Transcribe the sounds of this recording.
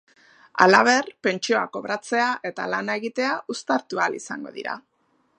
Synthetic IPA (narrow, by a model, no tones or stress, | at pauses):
a̰laβ̞e̞rpe̞nt͡ʃio̞a̰ko̞βɾat͡se̞aʔe̞t̪alanae̞ɣit̪e̞aʔust̪aɾt̪ualisaŋɡo̞̰ðḭɾa̰